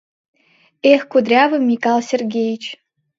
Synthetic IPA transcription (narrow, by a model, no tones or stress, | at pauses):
exkud̪rʲɑvə̆mʲːikɑlˠsʲerɡʲejit͡ɕ